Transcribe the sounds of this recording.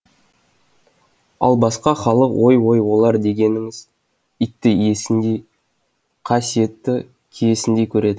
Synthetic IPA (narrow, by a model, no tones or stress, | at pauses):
ɑ̰lˠbɑsqɑχɑlˠəqwʔo̞jwo̞jwo̞lˠɑɾd̪e̞ɡʲe̞nɪŋɪz | it̪ːɪje̞sɪnd̪ej | qʰɑsije̞t̪ːɪ | kʲʰeje̞sɪnd̪e̞jkʲʰɵɾe̞d̪ɪ